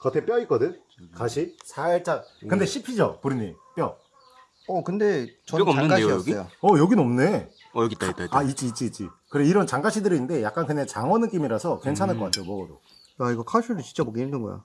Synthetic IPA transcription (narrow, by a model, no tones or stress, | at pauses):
kʌtʰe̞p͈jʌik͈ʌdɯn | kaɕʰisʰaiɭt͡ɕ͈akɯnde̞ɕʰipʰid͡ʑʌpuɾɯɲip͈jʌ | ʌkɯnde̞t͡ɕʌaɡaɕijoʌjʌɡinʌmne̞ | ait͡ɕ͈iːt̚t͡ɕ͈iːt͡ɕ͈ḭkɯɾeiɾʌnt͡ɕaŋɡaɕʰidɯɾinɯnde̞jak͈ankɯnet͡ɕaŋwʌnɯk͈imiɾasʰʌkwent͡ɕʰanɦaɭk͈ʌkatʰejomʌɡʌdo̰ | jaiɡʌkʰaɕʰudut͡ɕi̥nt͡ɕ͈aboɡiinɯnɡʌ̰ja̰